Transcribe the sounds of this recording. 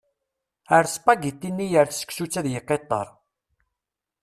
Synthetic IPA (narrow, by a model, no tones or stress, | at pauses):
əɾspɑɡit̪ːinːijəɾθsə̥ksut͡sːæðjəqːet̪ˤːɑ̰ɾˤ